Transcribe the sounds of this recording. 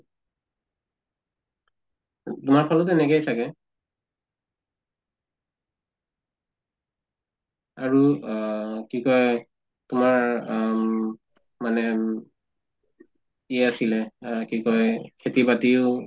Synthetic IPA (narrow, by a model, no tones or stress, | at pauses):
tʊmaɹpʰalɔtɛnɛkɛjsʰakɛ | aɹu | kikɔj | tʊmaɹ | manɛ | iɛasilɛkikɔjkʰetibatiʊ